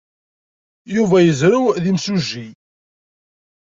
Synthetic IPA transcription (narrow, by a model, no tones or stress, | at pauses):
juvæjəzɾuðimsuʒːi